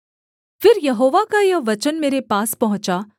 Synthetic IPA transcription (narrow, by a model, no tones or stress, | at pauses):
fɪɾjɐɦoːʋakajɐʋɐt͡ʃənmeːɾepaːspɐɦʊ̃t͡ʃaː